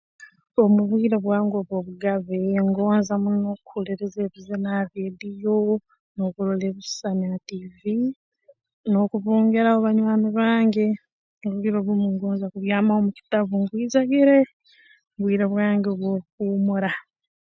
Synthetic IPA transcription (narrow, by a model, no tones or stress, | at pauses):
o̞muβwiːɾoβwaːŋɡo̞ːβwoːβuɡaβeŋɡo̞ːnzamunokuleɾezeːβizenaβedijo | no̞kuɾoleβissanativi | no̞kuβuːŋɡeɾaoβaɲwaːniβaːŋɡe | uβwiɾoβumuŋɡoːnzakuβjaːmaomuki̥tavuŋɡwiːzaɡiɾe | muβwiːɾoβwaːŋɡeoβwoːkuːmuɾa